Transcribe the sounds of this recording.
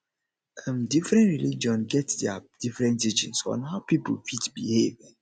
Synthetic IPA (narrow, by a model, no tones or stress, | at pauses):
ãmdifɹɛ̃ntɹilid͡ʒiɔ̃nɡɛtdɛad̥ifɹɛ̃nt̬ɹid͡ʒɔ̃nsɔ̰̃nhaʊpipṵlfitbihev